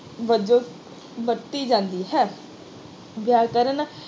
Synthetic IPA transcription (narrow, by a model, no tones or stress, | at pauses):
ʋəd͡ʒoː | bət̪ːiːd͡ʒãːnd̪iːɦɛː | bjaːkəɾən